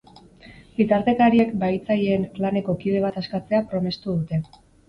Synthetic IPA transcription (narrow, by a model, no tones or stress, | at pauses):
ɡit̪aɾt̪e̞kaɾie̞kbajt͡saje̞nklane̞ko̞kið̞e̞β̞at̪askat͡se̞apɾo̞me̞st̪uð̞ut̪e̞